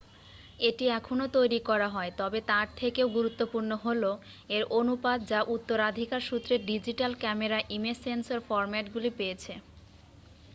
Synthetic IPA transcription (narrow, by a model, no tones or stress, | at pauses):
eʈiɛkʰonot̪ojɾikɔɾaɦɔet̪ɔbet̪aɾt̪ʰekeoɡuɾut̪ːopuɾnoɦolo | eɾonupad̪d͡ʑaʔut̪ːoɾad̪ʱikaɾʃut̪ːɾeɾɖid͡ʑiʈalkɛmeɾaʔimesensoɾfɔɾmɛʈɡulipejet͡ɕʰe